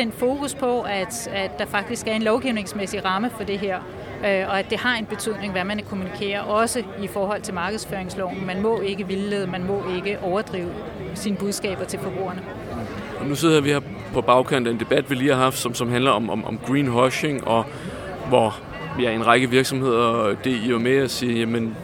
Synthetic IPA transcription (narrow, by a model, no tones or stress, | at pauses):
sen̰d̥fo̝ːkʰuspʰɒ̽æd̥æd̥ɑ̈fɑ̈ɡ̥̚d̥isɡ̥æɐe̝nlɒʊɡ̥iʊne̝ŋsmesiʁɑ̈məfɒ̽d̥e̝ɦeɐ̰ | øɒ̽æd̥e̝hɑ̈e̝nb̥e̝t͡sʰyð̰ˠne̝ŋʋæmænkʰo̝munikʰe̝̰ːɐʔɒ̽səifɒːɦɒ̽l̰t͡sʰe̝lmɑ̈ːɡ̥ðˠsføːɐeŋslɒʊ̰n̩mænmɔ̽e̝ɡ̥əʋilːeðˠmænmɔ̽e̝ɡ̥əʔɒʊɐd̥ʁḭːʊ | siːnəb̥uðˠsɡ̥ɛ̰ːb̥ɐt͡sʰe̝lfɒ̽b̥ʁṵːɐnə | ɒnuse̝ð̰ˠɐʋiheɐ̰ | pʰɒ̽b̥ɑ̈ʊkʰæn̰d̥e̝nd̥e̝b̥æd̥ʋiliːhɑ̈ɦɑ̈fd̥sɒ̽msɒ̽mɦændlɐɒ̽mɒ̽mɒmɡ̥ʁḭːnɦɒɕeŋɒ̽ | ʋɒ | jæe̝nʁɑɡ̥əʋiɐɡ̥sɒ̽mhe̝ð̞̰ˠɐd̥e̝iʋɑmeɒsiːjæmən